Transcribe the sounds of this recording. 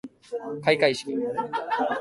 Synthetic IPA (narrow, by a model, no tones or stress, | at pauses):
kaikaiɕi̥kʲi